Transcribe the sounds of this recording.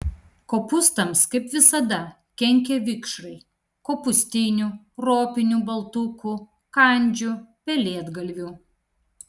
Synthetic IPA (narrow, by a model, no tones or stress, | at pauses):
koːpʊst̪ɐmskɐɪpʋʲɪsɐd̪ɐ | kʲɛŋʲkʲeʋʲɪkʃɾɐɪ | koːpʊsʲt̪ʲɪnʲuː | ɾoːpʲɪnʲubɐlˠt̪ʊku | kɐnʲˑd͡ʒʲupʲɛlʲiɛd̪ɡɐlʲʋʲuː